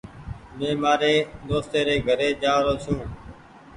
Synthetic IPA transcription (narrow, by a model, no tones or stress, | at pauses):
mẽːmaːɾeːd̪oːst̪eːɾeːɡʱəɾeːd͡ʒaːɾoːt͡ʃʰũː